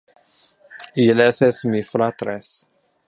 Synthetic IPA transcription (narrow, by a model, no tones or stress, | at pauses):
ilɛsɛsmifɾat̪ɾɛs